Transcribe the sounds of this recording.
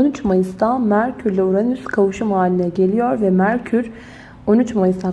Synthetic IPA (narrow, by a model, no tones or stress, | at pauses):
onyt͡ʃmajɯsd̪amæɾcʰyɾlʲɛuɾanɯnyskʰavuʃɯmhaːlʲinɛɟe̞lʲijo̞ɾvɛmæɾcʰyɾ | o̞nyt͡ʃmajɯsd̪a